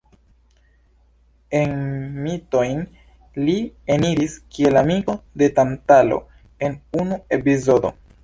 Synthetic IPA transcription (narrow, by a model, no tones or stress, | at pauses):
e̞nmito̞jn | lieniɾiskie̞lamiɡo̞de̞tantalo̞̰ | e̞nunue̞pizo̞do̞̰